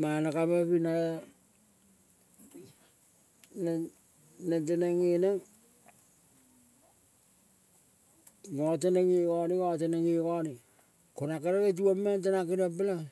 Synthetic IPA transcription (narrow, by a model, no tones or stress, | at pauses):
manakamapina | n | nat̬anaŋinaŋ | ŋotanaŋikoniŋot̬anaŋikoni | konakaɾaɾat̬uamːant̬anakinap̬ela